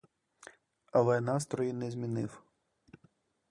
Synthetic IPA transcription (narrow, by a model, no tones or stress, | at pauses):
ɐlˠɛnɑst̪ɾɔjinɛzʲmʲinɪw